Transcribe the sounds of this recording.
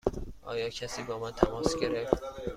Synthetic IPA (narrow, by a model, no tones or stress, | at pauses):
ʔɒ̰ːjɒːcʰæsiːbɒːmɒːt̪ʰæmɒːsɡe̞ɾeft̪